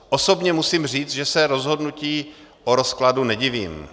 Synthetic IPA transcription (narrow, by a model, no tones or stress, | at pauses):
ʔosobɲɛmusiːmr̝iːt͡sʒɛsɛɾo̞zɦo̞dnuciː | ʔoɾo̞skladunɛɟɪvḭːm